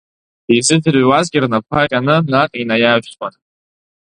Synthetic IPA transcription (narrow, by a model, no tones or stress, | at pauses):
izɨdɨrwazɡʲɪrnapʰaqʲʼanɨnaqʼinajaʒʷtʼanʼ